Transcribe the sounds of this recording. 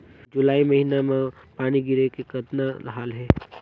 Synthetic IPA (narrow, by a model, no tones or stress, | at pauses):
d͡ʒʊlaːimɐɦinamãpaːniɡɪɾekekɐt̪naɦaːlɦɛː